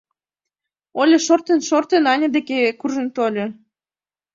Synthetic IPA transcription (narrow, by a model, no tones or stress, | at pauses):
olʲeʃort̪ənʃort̪enɑnʲəd̪ekekurʒə̆nt̪olʲo